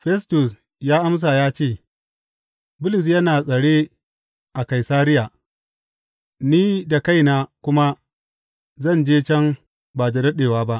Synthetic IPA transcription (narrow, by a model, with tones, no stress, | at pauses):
ɸɛ˦stʊ˨s | jaː˦ʔa˦ms̬a˨jaː˦t͡ʃeː˦˨ | bʊ˦lɪ˨s̬jɐ˦naː˨sʼɐ˨ɽeː˦ | ʔa˨ka˨jsaː˦ɾɪ˦jaː˨ | niː˦da˨ka˦jnaː˨kʷʊ˦ma˦ | zɐ˦˨nd͡ʒeː˦t͡ʃɛ˦m | baː˨dɐ˨dɐ˦ɗeː˨waː˦ba˦ʔ